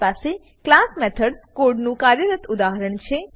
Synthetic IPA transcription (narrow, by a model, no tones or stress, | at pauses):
pase | klasmɛt̪ʰəɖskoɾɖnũkaɾjəɾət̪ʊd̪aɦəɾəɳt͡ʃʰe